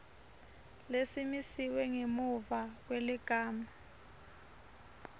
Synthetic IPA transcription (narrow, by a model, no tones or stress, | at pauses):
lesimisiwɛŋemuvak̬weliɡ̥ʱaːma